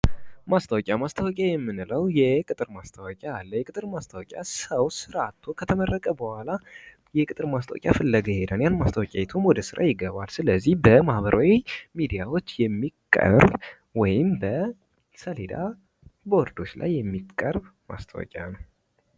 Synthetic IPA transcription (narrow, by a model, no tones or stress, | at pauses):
mast̪ʰəwɔkʼamast̪ʰəwɔkʼajɛmːɨnɨləwjɛkʼɨt̪ʼɨɾmast̪ʰəwɔkʼaːlːəjɛkʼɨt̪ʼɨɾmast̪ʰəwɔkʲʼasəwsɨɾat̪ʰːo̞kʰət̪ʰəmərːəkʼəbəhala | jɛkʼɨt̪ʼɨɾmast̪ʰə̰wɔ̰kʼja̰fɨlːəɡəjhed̪anjanmast̪ʰəwɔkʼajɛt̪ʰumwɔd̪əsɨɾʔa̰jɪɡəβalsɨləzːihbəmahbəɾʔawimid̪ijawo̞t͡ʃːjɛmːikʼːə̰ɾb | wɔjɪmbə | səled̪a̰ | boɾd̪o̞t͡ʃːla̰jːɛmːikʼːəɾbma̰st̪ʰə̰wɔ̰kʼa̰nəw